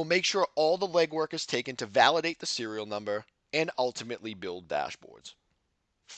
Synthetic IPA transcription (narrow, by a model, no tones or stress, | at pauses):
l̩ˠmeɪkʃʊɹɔlˠðəlɛɡwɜ˞kɨz̥tʰeɪkɨ̃ntʰɨvælˠəɾeɪt̪̚ðɨsɪɹil̩ˠnʌ̃mbə˞ | ɨ̃nʌlˠtɨmɨʔlibɪlˠd̪̚dæ̰ʃb̥ɔ̰ɹdz̥